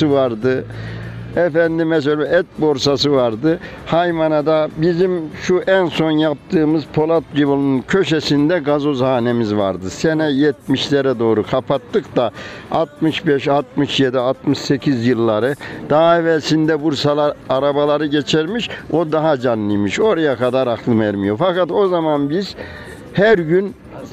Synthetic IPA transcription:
ɯvaɾd̪ɯ | ɛfænd̪imɛs̬elʲɛɛt̪̚bo̞ɾsasɯvaɾd̪ɯ | hajmanad̪abizimʃuʔænso̞njap̚t̪ʰɯːmɯzpʰo̞lˠat̪̚ɟivolˠununcʰø̞ʃesind̪ɛɡazo̞zanemizva̰ɾd̪ɯsɛnɛjɛt̪̚miʃlʲɛɾɛd̪o̞ːɾukʰapʰat̪ːɯkt̪aat̪̚mɯʃbɛʃat̪̚mɯʃjed̪iat̪mɯʃsecʰizjɯlˠːaɾɯd̪̥aɦaevɛlʲsind̪ɛbuɾsalˠaɾaɾabalˠaɾɯɟet͡ʃʰɛɾmiʃo̞d̪aɦad͡ʒanːijmiʃo̞ɾajakʰad̪aɾakʰlˠɯvɛɾmijo̞fakat̪o̞zamanbiz̥ | hæɾɟyn

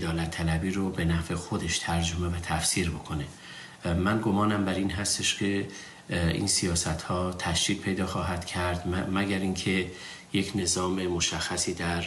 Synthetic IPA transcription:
d̪ɒːlæt̪ʰːælæbiːɾobe̞næve̞xo̞d̪e̞ʃt̪ʰæɾd͡ʒomevæt̪ʰæfsiːɾbo̞kʰo̞ne̞ | mænɡo̞mɒːnæmbæɾiːnɦæst̪e̞ʃcʰe̞ | ḭːnsijɒːsæt̪hɒːt̪ʰæʃd͡ʒiːɡ̚pʰejd̪ɒːxɒːɦæd̪̥cʰæɾd̪̥mæɡæɾiŋkʰe̞ | je̞cʰne̞zɒːmemoʃæxːæsiːd̪æɾ

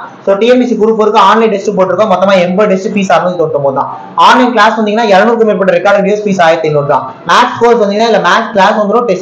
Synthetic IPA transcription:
soːʈiːɛmbiːsikʊɾɯpːoːɪɾɯkːõaːnlɛ̃ɪɳɖɛsʈɯpoːʈːɪɾɯkːõːmɔt̪ːɐmaːɛmbɐɖɛsʈɯpiːsaːɾmɐðit̪oːɽt̪ːɯmpoːðt̪ã̰ː | aːnlɐɪnklaːsʋɐnd̪iŋɡɐnaːɛɾɐnuːɾkːɯmeːɾpːɐʈːɐɾɪkːaːɾɖɪjiːɛspiːsaːjet̪ːenːoɽɯk̪ːã̰ː | maːkskoːɾsʋɐnd̪iŋɐnːaːɪlːɐmaːksklaːsʋɐnd̪ɯɾõʈɛsʈ

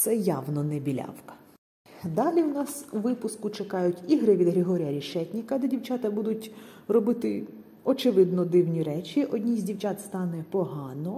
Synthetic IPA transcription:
t̪sɛjɑwnɔnɛbʲilʲɑ̰wkɐ̥ | d̪ɑlʲiwnɑsuʋɪpʊskʊt͡ʃekɑjʊtʲiɦɾɪʋʲid̪ɦɾɪɦɔɾʲijɐɾʲiʃɛtʲnʲikɐd̪ɛdʲiwt͡ʃɑt̪ɐbud̪ʊtʲrɔbɪt̪ɪ | ɔt͡ʃɪʋɪd̪nɔd̪ɪwnʲiɾɛt͡ʃʲiʔɔdʲnʲijzʲdʲiwt͡ʃʲɑt̪st̪ɑnɛpɔɦɑnɔ

